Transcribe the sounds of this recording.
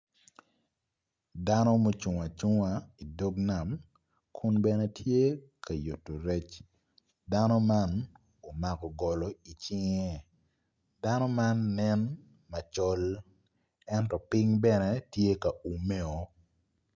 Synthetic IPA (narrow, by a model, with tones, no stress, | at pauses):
da˦nɔ˦mo˦t͡ʃu˨ŋa˨t͡ʃu˦ŋa˨i˨do˦ɡna˨m | kʰʊ˦nbɛ˦ne˦tʰje˦ka˨jo˨tːo˨ɾe˦t͡ʃ | da˦nɔ˦ma˦n | o˨ma˨kɔ˨ɡɔ˨lɔ˨i˨t͡ʃɪ˦ŋe˦ | da˦nɔ˦ma˦nːɛ˦n | ma˨t͡ʃɔ˦l | ɛ˦ntɔ˨pɪ˦ŋbɛ˦nɛ˦tje˦ka˨u˨me˦o˨